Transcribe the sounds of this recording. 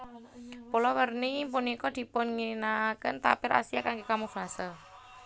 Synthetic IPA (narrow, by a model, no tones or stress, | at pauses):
pulɔwərnipunikɔd̪̥i̤pʊnŋinakənt̪a̰pɪɾʔa̰sijakaŋɡekamufasə